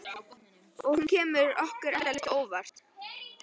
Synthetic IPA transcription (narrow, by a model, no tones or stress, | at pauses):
ɔɣhuncʰɛːmʏɾɔhkʏɾɛɾðaɾlɪht̪oːwvar̥t̪